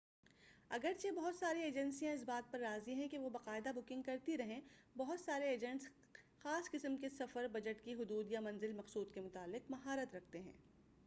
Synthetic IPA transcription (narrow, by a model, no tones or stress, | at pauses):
ɐɡəɾt͡ʃebɐɦʊt̪saːɾieːd͡ʒɛ̃nsijãɪs̬baːt̪̚pɐɾːaːziɦɛ̃keʋobɐqaːɪd̪abʊkɪ̃ŋɡ̚kɐɾt̪iɾɐɦẽbɐɦʊt̪saːɾeːd͡ʒə̃ɳʈs | xaːsqɪsəmkesɐfəɾbɐd͡ʒəʈkiɦʊd̪uːd̪jamɐ̃nzɪlmɐqsuːd̪̚kemʊt̪aːlːɪqmɐɦaːɾət̪ɾɐk̚ʰt̪eɦɛ̰̃ː